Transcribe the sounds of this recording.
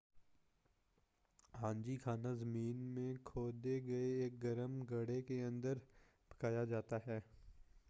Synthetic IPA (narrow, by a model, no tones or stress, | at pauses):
ɦãːnd͡ʒikʰaːnazɐmiːnmẽkʰoːd̪eɡɐeeːk̚ɡɐɾəmɡɐɽekeɐ̃nd̪əɾ | pɐ̥kaːjad͡ʒaːt̪aɦɛː